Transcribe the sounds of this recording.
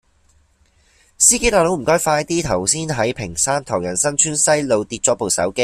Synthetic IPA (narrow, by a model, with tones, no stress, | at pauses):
siː˥ke˥t̪aː˨lo˨˥wm̩˨˩kɔː˥jfaː˧jt̪iː˥t̪ʰɐ˨˩wsiː˥nɦɐ˨˥jpʰɪ˨˩ŋsaː˥nt̪ʰɔː˨˩ŋjɐ˨˩nsɐ˥nt͡ʃʰyː˥nsɐ˥jlo˨˧wt̪iː˧t̚t͡sɔː˨˥po˨wsɐ̰˨˥wke˥j